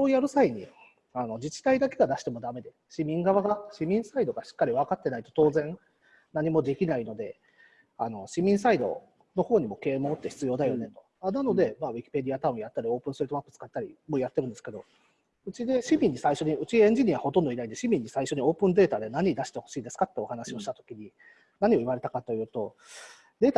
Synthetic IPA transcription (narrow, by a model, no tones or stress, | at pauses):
oːjaɾɯ̟saiɲ̟ḭ | ano̞d͡ʑit͡ɕi̥t̪aid̪ake̞ɡad̪aɕi̥t̪e̞mo̞d̪ame̞d̪e̞ | ɕimʲĩŋɡaβaɡaɕimʲĩɰ̃said̪o̞ɡaɕi̥kːaɾʲiβ̞akat̪ːe̞nait̪o̞̥t̪o̞ːzẽ̞ŋ | naɲ̟imo̞d̪e̞kʲinaino̞d̪e̞ | ano̞ɕimʲĩɰ̃said̪o̞̰ | no̞ho̞ːɲ̟imo̞ke̞ːmo̞ːt̪ːeçi̥t͡sɨjo̞ːd̪ajo̞ne̞t̪o̞ | anano̞d̪e̞maːβʲikʲi̥pe̞d̪ʲiat̪aɯ̟̃ɰ̃jat̪ːaɾʲio̞ːpɯ̟̃st̪ɾit̪o̞mapːɯ̥t͡sɨ̥kat̪ːaɾʲḭmo̞jat̪ːe̞ɾɯ̟nd̪eske̞d̪o̞̰ | ɯ̟t͡ɕid̪e̞ɕimʲĩɲ̟ːisaiɕo̞ɲ̟iɯ̟t͡ɕiẽ̞ɲ̟d͡ʑiɲ̟iaβho̞t̪õnd̪oinaĩnd̪ɕimʲĩɲ̟ːisaiɕo̞ɲ̟io̞ːpɯ̟̃nd̪e̞ːt̪ad̪e̞naɲ̟id̪aɕi̥t̪e̞ho̞̥ɕiːd̪e̞sɨ̥kat̪ːeo̞hanaɕio̞ɕi̥t̪at̪o̞̥kʲiɲ̟i | naɲ̟io̞iβaɾe̞t̪akat̪o̞jɯ̟ːt̪o̞ | d̪e̞ːt̪